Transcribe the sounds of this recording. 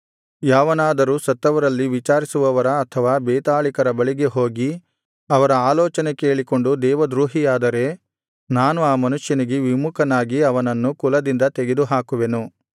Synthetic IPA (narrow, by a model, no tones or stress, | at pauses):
jaːʋɐnaːd̪ɐɾuːsɐt̪ːɐʋɐɾɐlːiʋit͡ʃaːɾisuʋɐʋɐɾɐːt̪ʰɐʋaːbɛːt̪aːɭikɐɾɐbɐɭiɡe̞ɦo̞ːɡi | ɐʋɐɾɐaːlɔːt͡ʃɐnekeːɭiko̞ɳɖud̪ɛːʋɐd̪ɾuːɦijaːd̪ɐɾe̞ | naːnuaːmɐnuʃjɐniɡeʋimukʰɐnaːɡiɐʋɐnɐnːukulɐd̪ind̪ɐt̪eɡe̞d̪uɦaːkuʋe̞nu